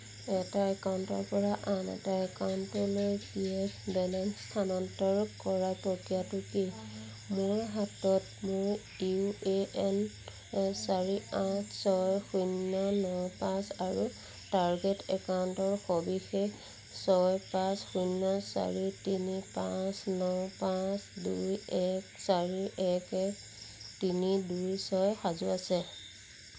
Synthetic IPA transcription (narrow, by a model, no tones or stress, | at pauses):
ɛtaɛkawntɔ̰ɹpɔɹaʔanɛ̰taɛkawntɔlojkiɛbɛlɛnstʰanɔntɔɹkɔɹapɔkijatʊki | mʊɹɦatɔtmʊɹdiueɛn | ɛsaɹiatʰsɔjxunːɔnɔwpãsaɹu | taɹɡetɛkawntɔɹxɔbixek | sɔjpãsxujnːɔsa̰ɹitinipãsnɔwpãsdujɛksaɹiʔɛkɛ | tinidujsɔjxazuasɛ